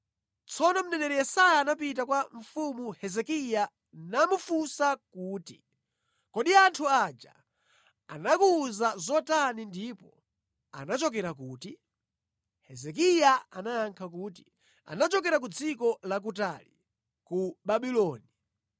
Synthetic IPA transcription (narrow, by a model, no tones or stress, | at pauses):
t͡sʰɔnɔm̩nɛnɛɾɛjɛsajaːnapit̬akwaɱ̩fumuhɛzɛkija | namufusakuːti | kɔɗiantʰuad͡ʒa̰ | a̰nakuːzazɔtanindipɔ | a̰nat͡ʃɔkɛɾak̬uːti | hɛzɛk̬ijaanajaŋkʰak̬uːti | a̰nat͡ʃɔkɛɾak̬ud͡zikɔlak̬utalḭ | kuɓaɓilɔːni